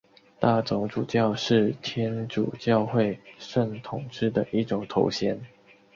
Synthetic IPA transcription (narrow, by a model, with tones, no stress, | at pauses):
t̪a˥˩t͡sʊ˧˥ŋʈ͡ʂu˨˩t͡ɕjɑ˥˧ʊʂɻ̩˥˩t̪ʰjɛ˥nʈ͡ʂu˨˩t͡ɕjɑ˥˧ʊxwe˥˨ɪʂə˥˩ŋt̪ʰʊ˨˩ŋʈ͡ʂɻ̩˥˩d̪ə˨ʔi˥ʈ͡ʂʊ˨˩ŋt̪ʰo˧˥ʊɕjɛ˧˥n